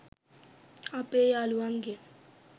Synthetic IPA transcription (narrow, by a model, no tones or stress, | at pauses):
apʼɛjaluaŋɡe